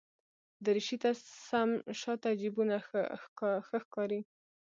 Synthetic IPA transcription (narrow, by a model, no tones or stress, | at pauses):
d̪əɾiʃit̪asamʃɑt̪ad͡ʒibunaxə̰xəxkɑɾi